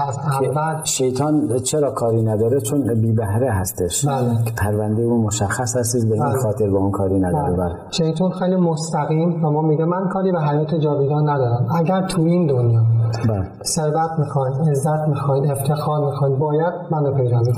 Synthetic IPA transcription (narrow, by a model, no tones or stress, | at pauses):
æsæːælʃejt̪ʰɑːnt͡ʃʰeɾɒːkʰɒːɾiːnæd̪ɒːɾet͡ʃʰonbiːbæhɾehæst̪eʃb̥æːlepʰæɾvænd̪ejumoʃæxːæshæst̪id̪beinxɒːt̪ʰeɾbɒunkʰɒːɾinæd̪ɒːɾebæleʃejt̪ʰuːnxejlimost̪æɣiːmvæmɒːmiɡemænkʰɒːɾiːbeɦæjɒːt̪ʰed͡ʒɒːd̪eɡɒːnːæd̪ɒːɾæmæɟæɾt̪ʰuind̪onjɒːmibæle | seɾbæt̪ʰmiːxɒjnezːæt̪ʰmixɒjneft̪ʰe̞xɒːɾmixɒinbɒːjæd̪̥̚mænopʰe̞jɾæe